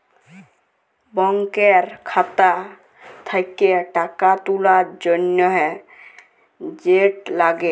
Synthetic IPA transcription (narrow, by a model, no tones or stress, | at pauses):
bɔŋkeɾkʰat̪a | t̪ʰajkeʈakat̪ulaɾd͡ʒɔnjɔɦɛ | d͡ʒeʈlaɡe